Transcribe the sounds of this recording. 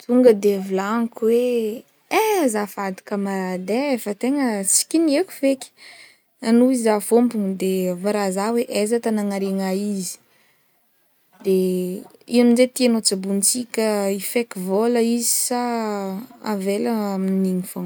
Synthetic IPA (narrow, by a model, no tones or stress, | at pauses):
t̪ʰuŋɡəd̪evilaŋikwe | ezafad̪i̥kəmaɾad̪eefət̪eŋəsi̥kʲinieku̥vekʲi̥ | anuizafombuŋd̪evaɾazaweʔezət̪anaŋaɾeŋaizi̥ | d̪̥e | iaminzet̪ianot͡sabunt͡sikʲəifekivoləizi̥sa | avelaminiŋifoŋ